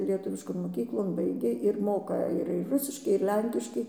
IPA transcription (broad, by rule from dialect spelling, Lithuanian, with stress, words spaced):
lʲiɛˈtʊʋʲɪʃkoːn moːˈkʲiːklˠoːn ˈbɐɪɡʲeː ɪr ˈmoːkɐ ɪr ɪr ˈrʊsʲɪʃkɐɪ ɪr ˈlʲɛŋʲkʲɪʃkɐɪ